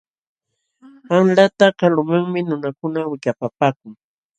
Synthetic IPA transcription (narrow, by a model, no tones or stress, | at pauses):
anlat̪akalʊmaŋmɪnʊnakʊnawɪʎapapaːkʊŋ